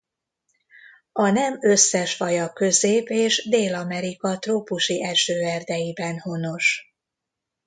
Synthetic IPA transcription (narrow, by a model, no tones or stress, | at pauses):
ɒnɛmø̞sːɛʃfɒjɒkø̞zeːpeːʃd̪eːlɒmɛɾikɒt̪roːpuʃiʔɛlʃøːɛrd̪ɛjibɛnho̞no̞ʃ